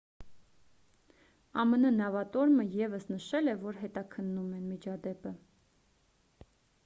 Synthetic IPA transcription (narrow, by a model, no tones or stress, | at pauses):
ɑmənənɑvɑt̪ɔɾməjɛvəsnəʃɛlɛvɔɾɦɛt̪ɑkʰənːumɛnmit͡ʃʰɑd̪ɛpə